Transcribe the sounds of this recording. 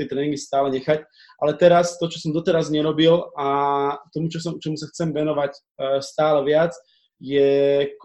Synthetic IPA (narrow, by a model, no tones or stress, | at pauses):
ɛjt̪ɾɛːniŋɡist̪aːlɛɲɛxac | ʔa̰lɛt̪ɛɾast̪ɔt͡ʃɔsɔmd̪ɔt̪ɛɾazɲɛɾɔbilat̪ɔmut͡ʃɔsɔmt͡ʃɔmusaxt͡sɛmʋɛnɔʋac | st̪aːlɛʋɪat͡s | jɛk